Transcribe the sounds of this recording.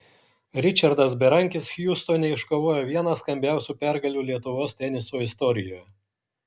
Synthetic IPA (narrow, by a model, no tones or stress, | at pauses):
ɾʲɪt͡ʃʲɐɾd̪ɐs̬bʲɛɾɐŋʲkʲɪsxʲjust̪oːnʲɛɪʃkoːʋoːjoːʋʲiɛnɐskɐmʲbʲæˑʊsʲuːpʲɛɾɡɐlʲuːlʲiɛt̪ʊʋoːst̪ʲɛnʲɪsoːɪst̪ɔɾʲɪjoːjɛ